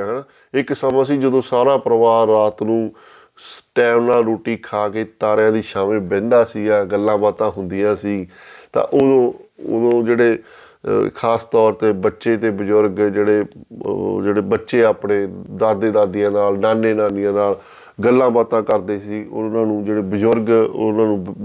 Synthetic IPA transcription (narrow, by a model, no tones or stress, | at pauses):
ɦənaː | ɪksəmãːsiːd͡ʒəd̪õːsaːɾaːpɾəʋaːɾːaːt̪nũː | sʈɛːmnaːlɾoːʈiːkʰaːkeːt̪aːɾjãːd̪iːʃaːmeːbɛ̃ːnd̪aːsiːɛːɡəlːãːbaːt̪ãːɦʊnd̪ɪjãːsiːt̪ã̰ːʔod̪õːo̰d̪õːd͡ʒeːɽeː | kʰaːst̪ɔːɾt̪eːbətːʃeːt̪eːbəd͡ʒʊɾɡd͡ʒeːɽeː | d͡ʒeːɽeːbətːʃeːaːpɳeːd̪aːd̪eːd̪aːd̪ɪjãːnaːlnaːneːnaːnɪjãːnaːl | ɡəlːãːbaːt̪ãːkəɾd̪eːsiːʊ̰nãːnũːd͡ʒeːɽeːbəd͡ʒʊɾɡnãːnũː